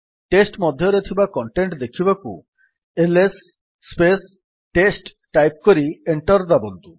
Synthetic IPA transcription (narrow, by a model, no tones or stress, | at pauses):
ʈesʈmɔd̪ʱjɔɾet̪ʰibakɔɳʈeɳʈd̪ekʰibakṵ | elesː | pes | ʈesʈːajp̚koɾieɳʈɔɾd̪abɔnt̪u